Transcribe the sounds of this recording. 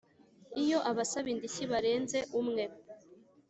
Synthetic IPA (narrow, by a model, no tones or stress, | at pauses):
ijo̞ʔaβasaβindiçiβaɾe̞ːnzeʔumŋe̞